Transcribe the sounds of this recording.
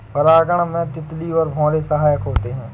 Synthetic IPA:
pʰəɾaːɡəɳmɛ̃ːt̪ɪt̪liːʋəɾbʱɔ̃ːɾeːsəɦaːjəkɦoːt̪eːɦɛ̃ː

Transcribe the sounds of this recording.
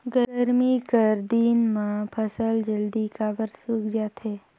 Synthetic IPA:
ɡəəɾmikəɾd̪inmãpʰəsəld͡ʒəld̪ikaːbəɾsukd͡ʒaːt̪ɦeː

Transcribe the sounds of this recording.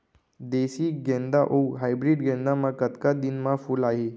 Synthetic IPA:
d̪esiːɡɛ̃nd̪aʔowɦajbɾiɖɡɛ̃nd̪amakət̪kad̪inmafuːlaɦe

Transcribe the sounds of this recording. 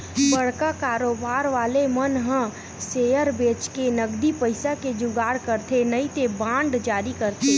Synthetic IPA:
bəɽkakaːɾoːbaːɾʋaːlemənɦə̃ | seːjəɾbeːt͡ʃkenəɡd̪ipəɪsaked͡ʒʊɡaːɽkəɾt̪ʰenɐit̪ebãːɳɖd͡ʒaːɾikəɾt̪ʰeː

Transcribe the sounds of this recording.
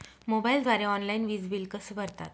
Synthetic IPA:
mobaild̪ʋaɾeɔnlainʋid͡zbilkəsəʋəɾt̪a̰t̪

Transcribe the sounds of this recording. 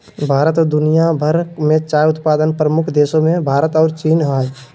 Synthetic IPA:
bʱaːɾət̪ɔd̪ʊnijabʱəɾmẽt͡ʃaːjʊt̪paːd̪ənpɾəmʊkʰd̪eːsõmẽbʱaːɾət̪ɔːɾt͡ʃiːnɦae

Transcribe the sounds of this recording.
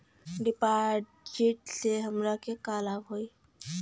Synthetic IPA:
ɖipaɾʈ | d͡ʒiʈseɦəmɾakekalabɦoj

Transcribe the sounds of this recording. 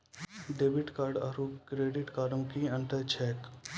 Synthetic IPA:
ɖeːbɪʈkaːɾɖaɾukɾeːɖɪʈkaːɖõːkiə̃ɳʈət͡ʃʰɛːk

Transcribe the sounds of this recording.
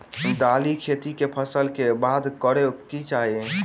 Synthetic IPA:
d̪alikʰet̪ikepʰəsəlkebad̪kəɾekit͡ʃaɦie

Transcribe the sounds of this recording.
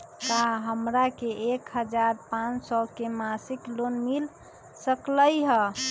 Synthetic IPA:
kaɦəmɾakeʔekɦəd͡ʒaɾpãt͡ʃsɔkemasiklonmil | səkləjɦə

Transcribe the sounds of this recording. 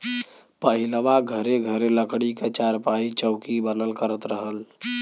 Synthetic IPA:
pəɦiləʋaɡʱəɾeɡʱəɾeləkɽiket͡ʃaɾpait͡ʃəʊkibənəlkəɾət̪ɾəɦəl

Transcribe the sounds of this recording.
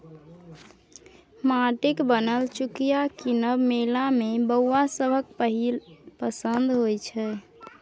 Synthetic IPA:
maʈekbənəlt͡ʃukijakinəbmelamebəwwasəbʱək̚pəɦilpəsənd̪ʱɦojt͡ʃʰɛ

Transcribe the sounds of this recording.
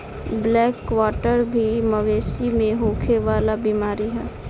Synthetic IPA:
blɛːkːʋaːʈəɾbʱiməʋeːsimẽɦoːkʰeʋaːlabimaːɾiɦɛː

